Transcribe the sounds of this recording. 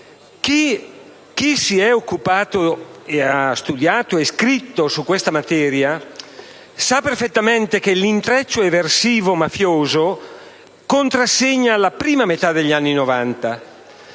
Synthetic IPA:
ki | kisiɛokːupaːt̪oeast̪ud̪jaːt̪oeskɾit̪ːosukːwest̪amat̪ɛːɾja | saperfet̪ːament̪ek̟elint̪ɾɛt͡ʃːoeversiːvomafjoːzo | kont̪ɾasːeɲːalapɾiːmamet̪ad̪eʎːanːinovant̪a

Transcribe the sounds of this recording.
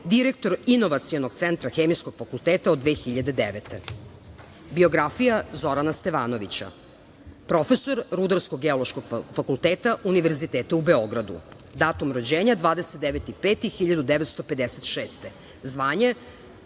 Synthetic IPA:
d̪iɾek̚t̪o̞ɾino̞ʋat̪siono̞ɡ̥t̪sent̪ɾaxeːmijskoɡ̥fakult̪eːt̪aod̪ʋeːxiʎad̪e̞d̪eʋet̪e | bio̞ɡɾafijazo̞ɾanast̪e̞ʋaːno̞ʋit͡ɕa̰ | pɾo̞fe̞so̞ɾɾud̪aɾskoɡɡːeolˠoʃkoɡfakulˠt̪eːt̪aʔuniʋeɾzit̪eːt̪aubeo̞ɡɾad̪ṵ | d̪aːt̪umɾod͡ʑeːɲad̪ʋaːd̪eset̪d̪eʋet̪ipeːt̪ixiʎad̪ud̪eʋet̪st̪o̞pe̞d̪eset̪ʃeːst̪e | zʋaːɲe

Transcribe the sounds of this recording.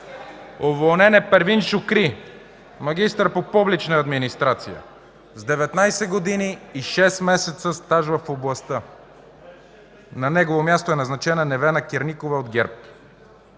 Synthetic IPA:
ovolˠnɛnɛpɛɾvinʃʊkɾi | mɐɡʲist̪əɾpopublit͡ʃnəːd̪minist̪ɾat̪sijə̰ | zd̪ɛvɛt̪najsɛɡod̪iniːʃɛsmɛsɛt̪səst̪aʒvəfoblˠɐst̪ə | nɐnɛɡovomʲjast̪oɛnɐznɐt͡ʃɛnɐnɛvɛnɐkʲɛɾnikovɛod̪ɡʲɛɾp

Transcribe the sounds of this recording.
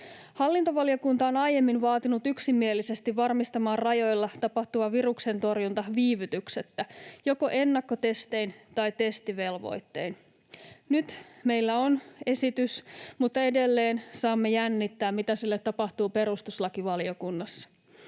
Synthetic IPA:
hɑlːint̪oʋɑlio̞kunt̪ɑonɑje̞mːinʋɑːt̪inut̪yksimːielːise̞st̪iʋʋɑrmist̪ɑmɑːrrɑjo̞jlːɑt̪ɑpɑht̪uʋɑʋirukse̞nt̪o̞rjunt̪ɑʋiːʋyt̪ykse̞t̪ːæjo̞ko̞ʔe̞nːɑkːot̪e̞st̪e̞int̪ɑjt̪e̞st̪iʋe̞lʋo̞̰jt̪ːe̞̰in | nyt̪me̞jlːæo̞ne̞sit̪ysmut̪ːɑe̞de̞lːe̞ːnsɑːmːe̞jænːit̪ːæːmmit̪æsilːet̪ːɑpɑht̪uːpe̞ɾust̪uslɑkiʋɑlio̞kunːɑsːɑ̥

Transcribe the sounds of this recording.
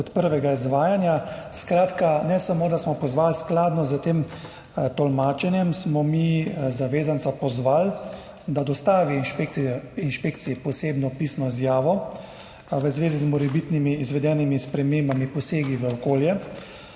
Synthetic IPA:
ɔt̪pəɾʋɛɡaizʋaːjanjaskɾaːt̪kanɛsamoːd̪asmɔpɔzʋaːlsklaːd̪nɔzət̪eːm | t̪ɔlmaːt͡ʃɛnjɛmsmɔmizaʋeːzant̪sapɔzʋaːl | d̪ad̪ɔst̪aːʋiinʃpekiɛinʃpeːkt̪sijɛpɔseːbnɔpiːsnɔizjaːʋɔ | ʋəzʋeːzizmɔɾɛbit̪nimiːzʋɛd̪jɛːnimispɾɛmembamipɔseːɡiʋəɔkoːljɛ

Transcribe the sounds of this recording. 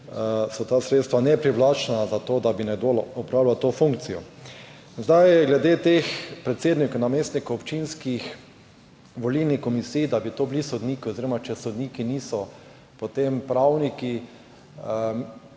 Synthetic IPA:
sɔt̪aːsɾeːt̪st̪ʋanɛpɾiblat͡ʃnazat̪oːd̪abinɛɡd̪olɔpɾawlʲat̪ofuŋkt̪sijɔ | zd̪ajɛɡlɛd̪et̪expɾɛt̪seːd̪nikonameːst̪nikoɔpt͡ʃinskix | ʋolilnixkɔmisiːjd̪abit̪oːblisod̪niːkiɔziɾɔmat͡ʃɛsod̪niːkiniːsɔ | pot̪empɾawniki

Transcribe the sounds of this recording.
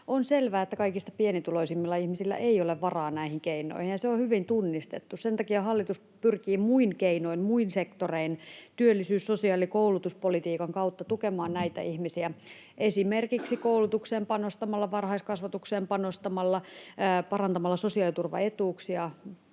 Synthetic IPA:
onselʋæːet̪ːækɑikist̪ɑpienit̪uloisimːilːɑihmisilːæ̰ʔeioleʋʋɑrɑːnæihiŋkeinˑo̰ihinjɑseohyʋint̪unːist̪et̪ːussent̪ɑkiɑhɑlːit̪us | pyrkiːmuinkeinoimmuinsekt̪oreint̪yølːˑisyːssosiɑlikoulut̪uspolit̪iːkɑŋkɑut̪ːɑt̪ukemɑːnnæit̪æ̰ihmisiæ | ʔesimerkiksikoulut̪ukseːmpɑnost̪ɑmɑlːɑʋɑrhɑiskɑsʋɑt̪ukseːmpɑnost̪ɑmɑlːɑpɑrɑnt̪ɑmɑlːɑsosiɑˑlit̪urʋɑ̰et̪uːksiɑ

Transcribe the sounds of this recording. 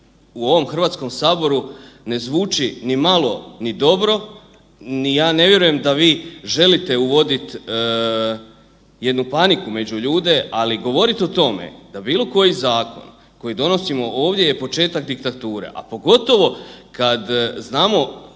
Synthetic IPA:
uo̞ʋo̞mxr̩ʋaːt̪sko̞msaːbo̞ɾune̞zʋuːt͡ʃinimalo̞nid̪o̞bɾo̞ | nijaːne̞ʋje̞ɾuje̞md̪aʋiːʒe̞lit̪e̞uʋo̞d̪it̪ | je̞d̪nupanikume̞d͡ʑuʎuːd̪e̞ʔaliɡo̞ʋo̞ɾit̪ot̪o̞me̞̰d̪abiːlˠo̞ko̞jizaːko̞̰n | ko̞jid̪o̞no̞simo̞ʔo̞ːʋd̪je̞je̞po̞t͡ʃe̞ːt̪akd̪ik̚t̪at̪uːɾe̞̰ʔa̰po̞ɡo̞t̪o̞ʋo̞kad̪znaːmo̞

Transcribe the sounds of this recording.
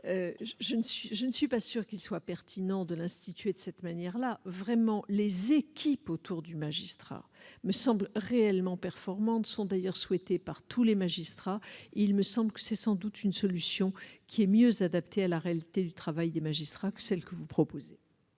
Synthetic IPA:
øʒənsɥiʒənəsɥipasyʁkilswapɛʁt̪ʰinɑ̃d̪əlɛ̃st̪it̪ɥed̪əsɛt̪manjɛʁlavʁɛmɑ̃lezekʲʰipot̪ʰuʁd̪ymaʒist̪χa̰məsɑ̃blʁeɛlmɑ̃pɛʁfɔʁmɑ̃t̪sɔ̃d̪ajœʁswɛt̪epaʁt̪ʰulemaʒist̪χaeilməsɑ̃blkə̥sɛsɑ̃d̪ut̪ynsɔlysjɔ̃kʲʰiɛmjøzad̪apt̪ʰealaʁealit̪ed̪yt̪χavajd̪emaʒist̪χakə̥sɛlkəvupχɔpoze

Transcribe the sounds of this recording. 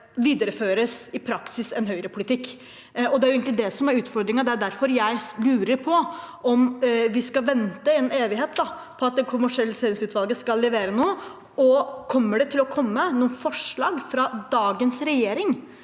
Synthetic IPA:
ʋiːd̪əɾəføːɾəsɪpʰɾɑksɪsɛnɦœʏəɾəpʰʊlɪt̪ʰɪkː | ɔd̪ɛæjʊeːɡŋlɪd̪ɛsɔmæɾʉːt̪fɔɾd̪ɾɪŋɑd̪ɛæɖ̪æɾfɔɾjæɪlʉːɾəɾpʰɔʔɔmʋɪskɑʋɛnt̪əɛneːʋɪɦeːt̪̚d̪ɑ | pʰɔɑt̪̚d̪ɛkʰʊmæʂɪɛlːseːɾɪŋsʉːt̪ʋɑlɡəskɑlːɛʋeːɾənoː | ɔkʰɔmːəɖɛt̪ʰɪlɔkʰɔmːənuːnfɔʂɭɑːɡfɾɑd̪ɑːɡənsɾɛjeːɾɪŋ

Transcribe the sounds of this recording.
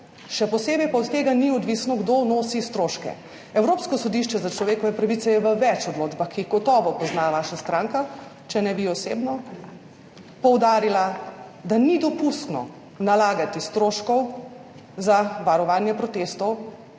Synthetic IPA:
ʃɛpɔseːbɛjpaɔt̪t̪eːɡaniɔd̪ʋisnɔɡd̪onoːsist̪ɾoːʃkɛ̰ | ɛwɾoːpskɔsɔd̪iʃt͡ʃɛzat͡ʃlɔʋeːkɔʋɛpɾaʋit̪sɛjɛʋəʋɛt͡ʃɔd̪loːd̪baxkiiɣɡɔt̪ɔːʋɔpɔznaʋaːʃast̪ɾaːŋka | t͡ʃɛnɛbiɔseːbnɔ | pɔwd̪aːɾila | d̪anid̪ɔpust̪nɔ̰ | nalaːɡat̪ist̪ɾoːʃkɔw | zaʋaɾɔʋaːnjɛpɾɔt̪eːst̪ɔw

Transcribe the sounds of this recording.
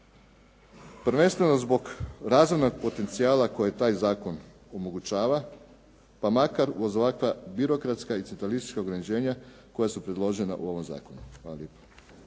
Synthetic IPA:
pɾ̩ʋe̞nst̪ʋe̞ʋnozbo̞ɡɾaːzʋojno̞ɡ̚po̞t̪e̞nt̪siaːlˠako̞jet̪aːjzaːko̞n | omo̞ɡut͡ʃaːʋa | pamakaɾuozoʋakʋabiɾo̞kɾat̪skait̪ʲent̪ɾalist̪i̥t͡ʃkaoɡɾanit͡ɕe̞ːɲa | ko̞jasupɾe̞d̪lˠo̞ʒe̞na̰ʔṵo̞ʋo̞mza̰ːkonuxʋaːlˠa̰ljeːpo̥

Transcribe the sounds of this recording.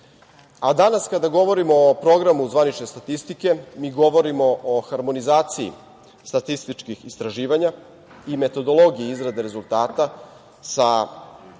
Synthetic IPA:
ad̪anaskad̪aɡo̞ʋo̞ɾimo̞ːpɾo̞ɡɾamuzʋanit͡ʃne̞st̪at̪ist̪ike̞miːɡo̞ʋo̞ɾimo̞ʔoxaɾmo̞nizaːt̪siḭ | st̪at̪ist̪it͡ʂkixist̪ɾaʒiːʋaɲa | ime̞t̪o̞d̪o̞lˠo̞ɡijiizɾad̪eɾe̞zulˠt̪aːt̪a | sa

